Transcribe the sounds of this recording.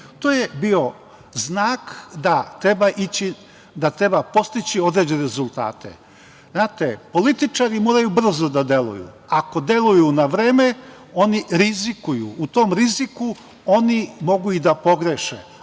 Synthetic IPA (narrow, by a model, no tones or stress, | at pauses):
t̪oːjebio̞ | znaːkd̪at̪ɾebaʔit͡ɕi | d̪at̪ɾe̞bapo̞st̪it͡ɕio̞d̪ɾed͡ʑeneɾezulˠt̪a̰ːt̪ḛ | znaːt̪epo̞lit̪it͡ʃaɾimoːɾajubr̩zo̞d̪ad̪e̞lṵjṵ | ako̞d̪e̞lˠujunaʋɾe̞ːme | o̞niɾizikujṵːt̪o̞mɾiziku | o̞nimo̞ɡuid̪apo̞ɡɾeʃḛ